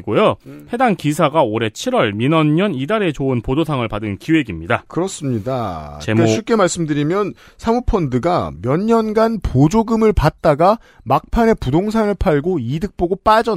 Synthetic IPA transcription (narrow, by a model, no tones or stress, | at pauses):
ɡojohe̞daŋkisʰaɡaoɾe̞t͡ɕʰiɾwʌɭminʌnɲʌnidaɾe̞t͡ɕoɯnpodosʰaŋɯɭpadɯnkiwe̞ɡimɲidakɯɾʌs͈ɯmɲidat͡ɕemeɕʰik͈e̞maɭs͈ɯmdɯɾimjʌn | sʰamupʰʌndɯɡamjʌɲɲʌnɡanpod͡ʑoɡɯmɯɭpat̚t͈aɡa | mak̚pʰane̞pudoŋsʰanɯɭpʰaɭɡoidɯk̚p͈oɡop͈ad͡ʑʌ